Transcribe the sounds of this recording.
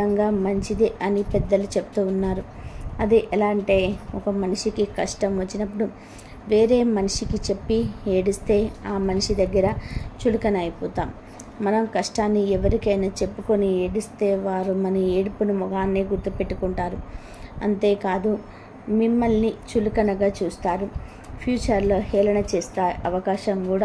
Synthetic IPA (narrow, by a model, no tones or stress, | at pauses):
ɐŋɡaːmɐɲt͡ʃid̪iʔɐnipɛd̪ːɐlut͡ʃepu̥t̪uːnːaːɾu | ɐd̪iʔɛlaːɳʈe̞ːɔkɐmɐniʂikikɐʂʈɐmʋɐt͡ʃːinɐpːuɽu | ʋe̞ːɾe̞ːmɐniʂikit͡ʃe̞pːie̞ːɽist̪e̞ːaːmɐnʂid̪ɐɡːɐɾɐt͡ʃulukɐnɐjpuːt̪aːmː | ɐnɐmkɐʂʈaːnːiɛʋɐɾikɐjnɐt͡ʃe̞pːuko̞nieːɽist̪e̞ːʋaːɾumɐnɐeːɽipunumɔɡaːnːeːɡuɾt̪upe̞ʈːukuɳʈaːɾu | ɐ̰nt̪e̞ːkaːd̪u | mimːɐlnit͡ʃulukɐnɐɡaːt͡ʃuːst̪aːɾu | pʰjuːt͡ʃɐɾlo̞ːhɛːlɐnɐt͡ʃeːst̪aːʔɐʋɐkaːʃɐmkuːɽaː